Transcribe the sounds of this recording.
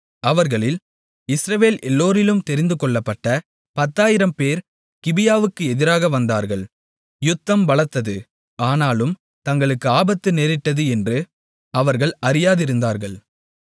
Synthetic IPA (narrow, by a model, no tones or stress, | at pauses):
ɐʋɐɾɣɐɭɪl | ɪsɾɐʋeːlʔɛlːoːɾɪlɯmt̪ɛɾɪnd̪ɯkɔɭːɐpːɐʈːɐ | pɐt̪ːaːjɪɾɐmpeːɾ | kɪbɪjaːʋɯkːɯɛðɪɾaːɣɐʋɐnd̪aːɾɣɐɭ | jʊt̪ːɐmʋɐɭɐt̪ːɐðɯ | aːnaːlɯm | t̪ɐŋɡɐɭɯkːɯaːbɐt̪ːɯneːɾɪʈːɐðɯɛndrɯ | ɐʋɐɾɣɐɭɐɾɪjaːðɪɾɯnd̪aːɾɣɐɭ